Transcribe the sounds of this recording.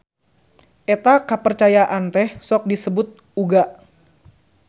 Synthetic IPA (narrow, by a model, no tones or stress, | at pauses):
ʔet̪akəpərt͡ʃajaʔant̪ɛhsɔk̚disəbʊt̪̚ | uɡaʔ